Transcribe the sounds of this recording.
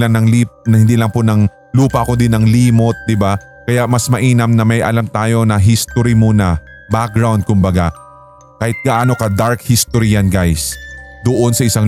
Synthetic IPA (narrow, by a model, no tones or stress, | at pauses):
lɐŋnɐŋlipnɐhɪnd̪iːlɐŋponɐŋ | luːpɐʔɐko̞d̪ɪnɐŋliːmo̞t̪̚d̪ɪba | kɐjaʔmɐsmɐʔiːnɐmnɐmɐjʔɐ̰lamt̪aːjo̞nɐɦist̪oɾimuːnɐ | bak̚ɡɹawnd̪̚kʊmbɐɡa | kaːhɪt̪̚ɡɐʔaːnokɐd̪aɹk̚hist̪oɾiɐnɡajsd̪oʔonsɐʔɪsaŋ